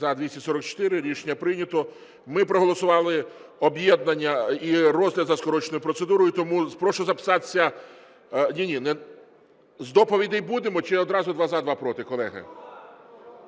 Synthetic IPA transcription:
zɐd̪ʋʲisʲtʲisɔɾɔk̚t͡ʃɔ̥t̪ɪɾɪɾʲiʃenʲːɐpɾɪnʲɐt̪ɔ | mɪpɾɔɦɔlˠɔsʊʋɑlˠɪɔbjɛd̪nɐnʲːɐirɔzɦlʲɐd̪zɐskɔɾɔt͡ʃnɔjʊpɾɔt̪sed̪uɾɔjʊt̪ɔmuspɾɔʃɔzɐpɪ̥sɑt̪e̥sʲɐ | nʲinʲinɛ | zd̪ɔpɔʋʲid̪ɛjbud̪emɔt͡ʃɛɔd̪ɾɑzʊd̪ʋɑzɐd̪ʋɑpɾɔt̪ɪkɔlˠɛɦɐ̰

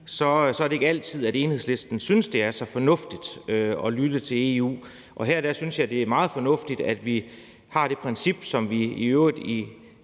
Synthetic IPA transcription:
sɒ̽sɒæɐɾ̥e̝eɡ̥æl̰t͡sʰið̞̰ˠæɾeːnhḛsle̝sd̥n̩synəsd̥e̝æɐsɒ̽fɒ̽nɔ̽fd̥id̥øɒ̽lyd̥ət͡sʰe̝le̝ṵː | ʔɒ̽ɦeɐd̥æsynsjɑ̈ɪd̥e̝æɐmɑ̈ːð̞̩ˠfɒ̽nɔ̽fd̥id̥æd̥ʋi | hɑ̈ɾ̥e̝pʰʁɛnsib̥sɒ̽mʋiiøːʊʁið̥ˠi

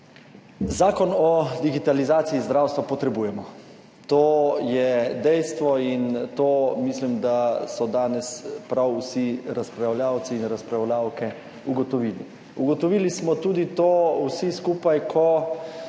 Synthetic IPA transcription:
zaːkɔnɔd̪iɡit̪alizaːt̪siizd̪ɾawst̪ʋapɔt̪ɾɛbuːjɛmɔ | t̪oːjɛd̪ɛjst̪ʋɔint̪oːmislimd̪asɔd̪aːnɛspɾawusiɾaspɾawljaːwt̪siːnɾaspɾawlaːwkɛ | uɡɔt̪ɔʋiːlḭ | uɡɔt̪ɔʋiːlismɔt̪uːd̪it̪oːuwsiskuːpajkʰɔ

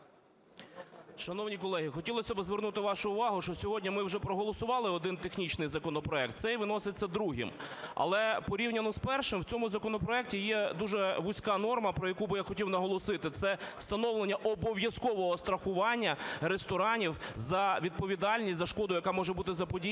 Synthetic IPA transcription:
ʃɐnɔwnʲikɔlˠɛɦixɔtʲilˠɔsʲɐbɪzʋernut̪ɪʋɑʃʊːʋɑɦʊʃt͡ʃɔsʲɔɦɔdʲnʲimɪwʒɛpɾɔɦɔlˠɔsʊʋɑlˠɪɔd̪ɪnt̪exnʲit͡ʃnɪjzɐkɔnɔpɾɔɛk̚t̪sɛjʋɪn̪ɔsɪt͡sʲːɐd̪ɾuɦɪ̰mɐ̰lˠɛpɔɾʲiwnʲɐnɔspɛrʃɪmwt͡sʲɔmʊzɐkɔnɔpɾɔɛk̚tʲijɛd̪uʒɛʋʊsʲkɑnɔrmɐpɾɔjɐkubɪjaxɔtʲiwnɐɦɔlˠɔsɪt̪ɪt̪sɛst̪ɐnɔwlˠenʲːɐʔɔbɔʋʲjɐskɔʋɔɦɔst̪ɾɐxʊʋɑnʲːɐɾest̪ɔɾɑnʲiwzɐʋʲid̪̚pɔʋʲid̪ɑlʲnʲisʲtʲzɐʃkɔd̪ʊjɐkɑmɔʒɛbut̪ɪzɐpɔdʲi

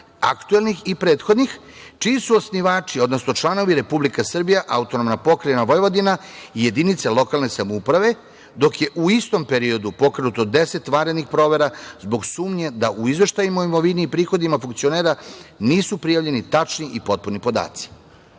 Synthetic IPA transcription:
a̰kt̪uelnixipɾeːt̪xo̞d̪nix | t͡ʃiːsuosniʋaːt͡ʃio̞d̪no̞snot͡ʃlˠano̞ʋiɾe̞publikasr̩bijaʔaut̪o̞nomnapo̞kɾejenaʋojʋod̪inaije̞d̪init̪selˠo̞kalne̞samoupɾaʋe̞ | d̪o̞kje̞ʔuist̪ompe̞ɾio̞d̪upo̞kɾenut̪od̪e̞se̞t̪ʋaɾed̪nixpɾo̞ːʋe̞ɾazbo̞ɡsuːmɲe̞d̪aʔuizʋe̞ʃt̪ajimaimoʋiniːpɾiːxo̞d̪imafuŋkt̪sio̞neːɾaniːsupɾijaʋʎe̞nit̪at͡ʂniʔipo̞t̪̚puɾnipo̞d̪a̰ːt̪si̥

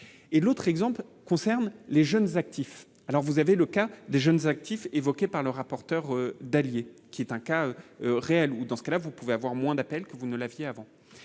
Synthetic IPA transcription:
elot̪χɛɡzɑ̃plkɔ̃sɛʁnleʒənzak̚t̪ʰif | alɔʁvuzaveləkad̪eʒənzak̚t̪ʰifevɔkʲepaʁləʁapɔʁt̪œʁød̪aljekʲiɛt̪ɛ̃kaøøʁeɛlud̪ɑ̃sə̥kalavupuveavwaʁmwɛ̃d̪apɛlkəvunəlavjeavɑ̃

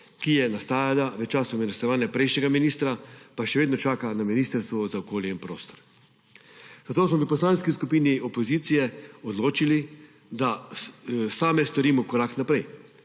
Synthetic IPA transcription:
kijɛnast̪aːjalaʋɛt͡ʃaːsɔmɛnɛst̪ɔʋaːnjapɾɛjʃnɛɡaminiːst̪ɾapaʃɛʋeːd̪nɔt͡ʃaːkanaminiːst̪əɾst̪ʋɔzaɔkoːljɛinpɾo̰ːst̪ɔ̥ɾ | zat̪oːsmɔʋəpɔslaːnskiskupiːniɔpɔziːt̪sijɛɔd̪loːt͡ʃili | d̪a | saːmɛst̪ɔɾiːmɔkɔɾaknapɾɛj

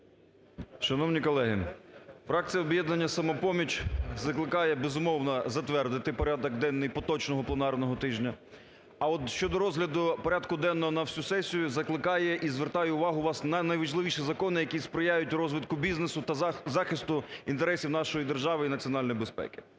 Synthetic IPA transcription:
ʃɐnɔwnʲikɔlˠɛɦɪ̰fɾɑk̚t͡sʲijɐɔbjɛd̪nɐnʲːɐsɐmɔpɔmʲit͡ʃzɐklˠɪkɑjɛbezʊmɔwnɐzɐt̪ʋɛrd̪ɪt̪ɪpɔɾʲad̪ɔɡd̪ɛnːɪjpɔt̪ɔt͡ʃnɔɦɔplˠenɑrnɔɦɔt̪ɪʒnʲɐ | ɐɔt̪ʃt͡ʃɔd̪ɔɾɔzɦlʲɐd̪ʊpɔɾʲad̪kʊd̪ɛnːɔɦɔnɐwsʲusɛsʲijʊzɐklˠɪkɑjɛʔizʋert̪ɑjɛʊʋɑɦʊʋɑsnɐnɐjʋɐʒlˠɪʋʲiʃizɐkɔnɪjɐkʲispɾɪjajʊtʲrɔzʋɪt̪kʊbʲiznesʊt̪ɐzɑxɪst̪ʊint̪eɾɛsʲiwnɑʃɔjid̪erʒɑʋɪinɐt͡sʲiɔnɑlʲnjbespɛ̰kɪ̥

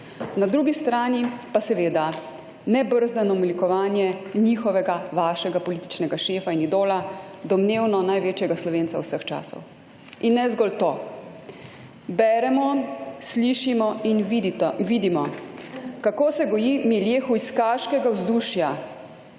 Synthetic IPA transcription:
nad̪ɾuːɡist̪ɾaːnipasɛʋeːd̪a | nɛbəɾzd̪anɔmilikɔʋaːnjɛnixɔʋɛɡaʋaːʃɛɡapɔliːt̪i̥t͡ʃnɛɡaʃeːfainid̪oːlad̪ɔmneːwnɔnajʋeːt͡ʃjɛɡaslɔʋeːnt̪sawsəxt͡ʃa̰ːsɔ̰w | inːɛzɡɔlt̪o | bɛːɾɛmɔsliʃimɔinʋid̪imɔ | kakoːsɛɡɔjimiljeːxuiskaʃkɛɡawzd̪uːʃja

